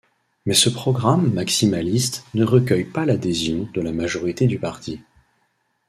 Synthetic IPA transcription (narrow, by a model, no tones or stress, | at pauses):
mɛsəpχɔɡʁamːaksimalist̪nəʁəkʲœjpalad̪ezjɔ̃d̪əlamaʒɔʁit̪ed̪ypaʁt̪ʰi